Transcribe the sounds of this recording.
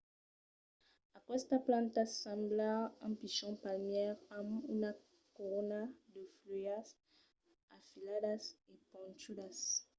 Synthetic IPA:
akwɛst̪aplãnt̪asãmblaãpiʃɔ̃palmjɛʁamuna | koʁonad̪əflujas | afiladasepɔ̃nt͡ʃudas

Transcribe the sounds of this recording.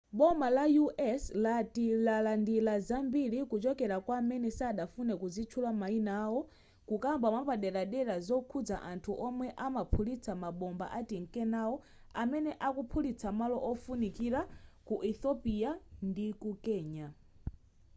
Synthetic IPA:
ɓɔmbalajuʔɛslatilalandilazambiɾikut͡ʃɔkɛɾakwamɛnɛsaːɗafunɛkuzit͡ʃʰulamainaːwɔ | kukambamapaɗɛɾaɗɛɾazɔkʰud͡za̰ʔantʰuʔɔmwɛʔamapʰulit͡sʰamaɓɔmba̰ʔatiŋkɛnawɔ | amɛnɛʔakupʰulit͡sʰamalɔʔɔfunikiɾakuʔɛθɔpiandikukɛːɲa

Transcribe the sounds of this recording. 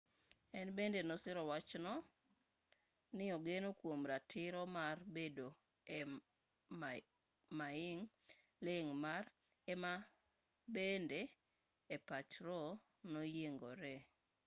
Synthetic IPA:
ɛnbendenɔsɪɾɔwat͡ʃnɔ | nɪɔɡenokwomɾatʰɪɾɔmarbedo | maɪŋ | lɪŋmar | ɛma | bendeː | pat͡ʃɾɔ | nojeŋɡoɾɛ

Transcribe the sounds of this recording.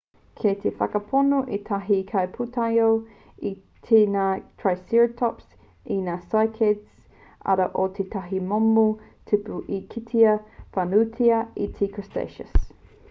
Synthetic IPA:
kʰet̪ʰefɐ̰kɐpʰonoʔet̪ʰɐɦikʰɐjpʰut̪ʰɐjow | i | t̪ʰenaːtʰɹajsiɹtʰɔps | inaːsajkʰeds | ɐ̰ɾɐʔot̪ʰet̪ʰɐɦimomutʰipuʔikʰitʰiɐfanutʰiɐitʰikʰɔstḛʃə̰s

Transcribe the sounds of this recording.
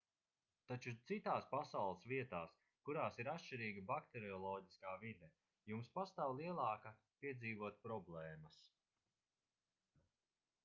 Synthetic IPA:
t̪at͡ʃut̪sit̪aːspasawlˠəsviɛt̪aːs | kuɾaːsiɾat̪ʃt͡ʃiɾiːɡabakt̪eɾiɔlˠɔːɟiskaːvid̪ɛ | jumspast̪aːwlˠiɛlˠɑːka | piɛd̪ziːvuɔt̪̚pɾɔblɛːmɐs

